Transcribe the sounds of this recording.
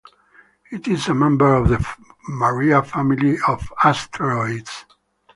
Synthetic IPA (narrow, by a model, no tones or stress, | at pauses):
itizəmɛ̃mbə˞ɔvðəməɹiafæmiliɔvastʰɹɔɪds